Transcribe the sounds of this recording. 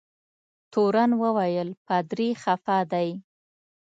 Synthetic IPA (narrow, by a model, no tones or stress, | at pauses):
t̪oɾanwəwajəlpad̪ɾixafad̪aj